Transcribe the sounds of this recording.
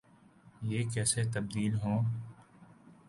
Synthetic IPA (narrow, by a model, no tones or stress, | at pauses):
jeːkɛːset̪əb̚d̪iːlɦõː